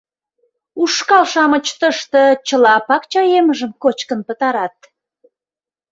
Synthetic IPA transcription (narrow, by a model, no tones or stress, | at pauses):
uʃkɑlʃɑmət͡ɕt̪əʃt̪ə̆t͡ɕəlɑpɑkt͡ɕɑjeməʒəmkot͡ɕkənpət̪ɑɾɑt̪̚